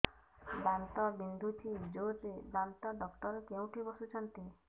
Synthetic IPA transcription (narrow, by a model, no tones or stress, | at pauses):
bant̪ɔbind̪ʱut̪ʰid͡ʒoɾebant̪ɔɖɔkt̪ɔɾɔkew̃ʈ̪ʰibɔsut͡ʃʰɔnt̪i